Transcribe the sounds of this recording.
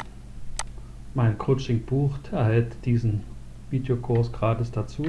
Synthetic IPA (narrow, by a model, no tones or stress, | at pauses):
maɪnkʰʁot͡ʃɪŋb̥uːχtʰɛɐhɛltd̥iːzn̩ | viːdeokʰʊɐsɡ̥ʁaːtɪsd̥at͡suː